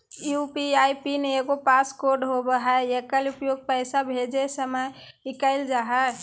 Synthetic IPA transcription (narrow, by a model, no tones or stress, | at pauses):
jupiajpineɡopaskoɾɖɦobəɦɛekəlupjoɡ̚pəɪsabʱed͡ʒesəmə | ikəɪld͡ʒaɦɛ